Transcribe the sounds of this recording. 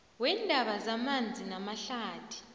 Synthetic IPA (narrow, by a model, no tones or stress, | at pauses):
wɛndʱaɓazamand͡zʱinamaɬaːtʰi̥